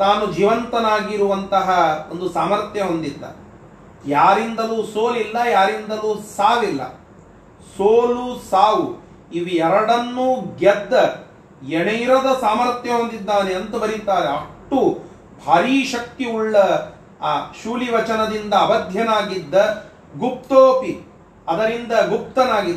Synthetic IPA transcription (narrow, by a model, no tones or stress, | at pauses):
t̪aːnud͡ʒiːʋɐnt̪ɐnaːɡiɾuʋɐnt̪ɐɦɐond̪usaːmɐɾt̪jɐɦond̪id̪ːɐ̰ | jaːɾind̪ɐluːsoːlilːɐjaːɾind̪ɐluːsaːʋilːɐ̰ | soːlusaːʋu | iʋiɛɾɐɽɐnːuːɡɛd̪ːɐ | jeɳɐjɾɐd̪ɐsaːmɐɾt̪jɐɦond̪id̪ːaːneɐnt̪ɐbɐɾit̪aːɾeɐʈːu | bʱaːɾiːʃɐk̚t̪iuɭːɐ | ʃuːliʋɐt͡ʃɐnɐd̪ind̪ɐːbɐd̪ʱjɐnaːɡid̪ːɐ | ɡup̚t̪oːpi | ɐd̪ɐɾind̪ɐɡup̚t̪ɐnaːɡid̪ː